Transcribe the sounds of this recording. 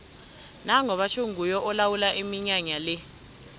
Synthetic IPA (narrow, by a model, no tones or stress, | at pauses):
naŋɔɓat͡ʃʰoŋʱujɔʔɔlawulaʔimiɲaɲalɛ